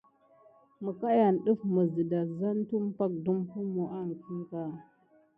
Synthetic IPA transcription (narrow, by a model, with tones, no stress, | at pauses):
mə˨ka˦ja˨nɗə˦fmə˨zi˨da˨za˦ntu˦mpa˦k̚du˦mpu˦mo˨ʔa˦˨n˨ki˦ŋ˦ka˦˨